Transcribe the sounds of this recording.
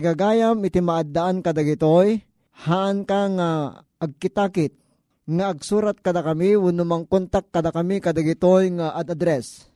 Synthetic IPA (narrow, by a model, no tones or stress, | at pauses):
ɡaɡaːjamɪt̪imaʔad̪ːaʔankad̪aɡɪt̪oj | haʔankaŋa | ʔɐɡ̚kɪt̪aːkɪt̪̚ | ŋaʔːɡ̚suːɾat̪̚kɐd̪akɐmiwʊnʊmaŋkont̪akːɐd̪akɐmikad̪aɡɪt̪ojŋaʔad̪ad̪ɾɛs